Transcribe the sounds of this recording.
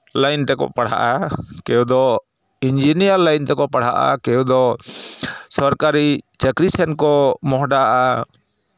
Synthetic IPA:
lajnt̪ɛkɔ̰paɽ̤a̰ʔakɛjud̪ɔ | ind͡ʒinijaɾlajnt̪ɛkɔpaɽ̤aʔa̰kɛjud̪ɔ | sɔɾkaɾit͡ʃəkɾisɛnkɔmɔɦɖaʔa

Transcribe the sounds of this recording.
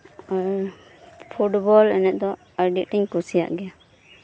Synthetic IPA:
pʰuʈbɔlɛnɛt̪̚ˀd̪ɔ | əɾɖiʔʈiɲkusija̰ʔɡɛja

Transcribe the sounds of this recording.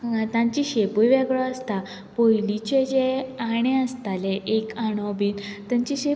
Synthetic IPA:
t̪ãɲt͡ɕiɕepujʋɛɡɭɔəst̪a | pojlit͡ɕed͡ʑeaɽ̃ẽəst̪aleʔekaɽ̃ɔbiːnt̪ə̃ɲt͡ɕiɕe

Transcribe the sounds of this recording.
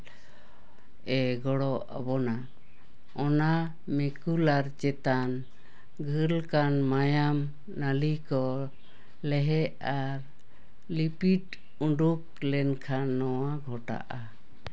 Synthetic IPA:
ɛɡɔɽɔʔa̰bɔna | ɔna | mɛkulaɾt͡ʃɛt̪an | ɡʱəlkanmajam | nalikɔ | lɛɦɛʔaɾ | lipiʈ | uɳɖuk̚lɛnkʰanːɔwaɡʱɔʈa̰ʔa

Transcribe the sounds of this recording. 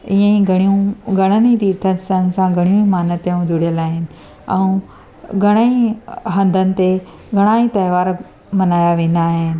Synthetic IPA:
iːə̃ĩɡʱɐɽ̃ijũɡʱɐɽ̃ənit̪iːɾt̪ʰəsən̆sãɡʱɐɽ̃ijũimaːnət̪j̃d̪ʱʊɽijəlaːɦɪnɪ̆ | ɛ̰̃ũ | ɡʱɐɽ̃əĩɦɐ̃nd̪ʱənɪ̆t̪e | ɡʱɐɽ̃aːĩt̪ɐjʋaːɾ | mɐnaːjaʋẽːn̆d̪aːɦɪnɪ̆

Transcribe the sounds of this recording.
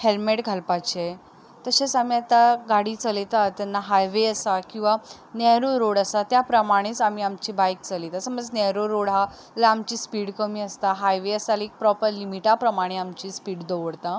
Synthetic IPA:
helmeʈɡʱalpat͡ɕe | t̪əɕesamiat̪aɡaɽiːt͡səlet̪at̪ːjanːaɦajʋeəsakĩw̃ʋa | nɛɾoɾoɽəsat̪japɾəmaɽ̃it͡sam̤iːamt͡ɕibajk̚t͡səlet̪asəməd͡znɛɾoɾoɽɦa | laamt͡ɕiːspiːɽkəmiːəst̪aɦajʋeəsalek̚pɾɔpəɾlimiʈapɾəmaɽ̃eamt͡ɕiːspiːɽd̪oʋəɽt̪a

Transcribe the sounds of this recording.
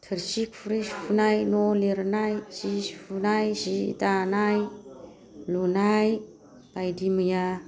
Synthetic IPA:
tʰəɾsikʰfuɾesfunajnoleɾnajsisfunajsitanaj | lonaj | pajdimija

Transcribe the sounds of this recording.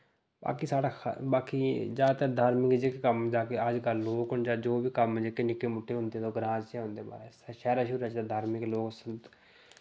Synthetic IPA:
ba̰ːkiːsaːɽaːkʰbaːkiːd͡ʒaːt̪ed̪ʱaːɾmɪkd͡ʒekekəmd͡ʒaːkeːəd͡ʒkəlːoːkɦʊɳd͡ʒaːd͡ʒoːbiːkəmd͡ʒeːkeːnɪkeːmʊʈʰːeːɦʊ̃nd̪eːt̪oːɡɾãːd͡ʒt͡ʃɛːɦʊ̃nd̪eːba̰ːɾeːsʃɛːɾaːʃʊɾət͡ʃt̪ad̪ʱaːɾmɪkloːksənt̪

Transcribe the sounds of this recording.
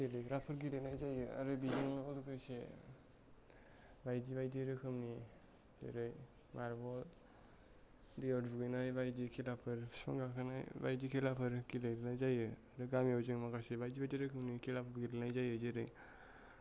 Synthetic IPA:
ɡelɯjɾapʰɯɾɡilenajzajɯa̰ɾɯbizɯŋɔlukʰɯse | bajd͡ʒibajdiɾɯkʰɯmni | z̥ḛɾɯj | mʔaɾbɔ | diɔbuɡɯjnajbajdikʰelapʰɯɾsɔ̰ŋɡakʰɯnajba̰jdikʰelapʰɯɾkileɾnajzajɯaɾɯɡamiɔwzɯŋmaɡasebajzibajdiɾɯkʰɯmnikʰelapʰɯɾɡilenajzajɯzeɾɯj

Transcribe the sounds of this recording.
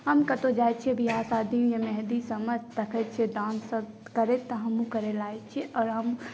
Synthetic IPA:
ɦəmkɐt̪od͡ʒaːjt͡ʃʰiebʱiɦaːsaːd̪ĩjemɛɦd̪isəməd͡ʒt̪ɐkʰɛt͡ʃʰed̪ãːnsə | kəɾet̪ːɐɦɐmũkəɾelaːet͡ʃʰieʔɔːɾɦəm

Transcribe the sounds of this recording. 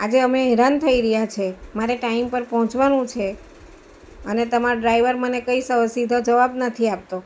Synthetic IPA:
ad͡ʒeəmeɦɛɾant̪ʰəiɾəɦjat͡ʃʰemaɾeʈaimpəɾpɔɦɔ̃t͡ʃʋanũt͡ʃʰe | ənet̪əmaɾoɖɾaiʋəɾmənekəisəʋsid̪ʱod͡ʒəʋabnət̪ʰiap̚t̪o

